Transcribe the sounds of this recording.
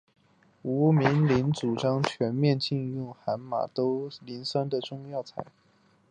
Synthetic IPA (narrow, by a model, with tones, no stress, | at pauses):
u˧˥mi˧˥ŋli˧˥nt͡su˨˩ʈ͡ʂɑ˥ŋt͡ɕʰɥɛ˧˥nmjɛ˥˧nt͡ɕi˥˧njʊ˥˩ŋxa˧˥nma̰˨˩t̪o˥ʊli˧˥nsa˥nd̪ə˨ʈ͡ʂʊ˥˧ŋjɑ˥˩ʊt͡sʰa˧˩˦ɪ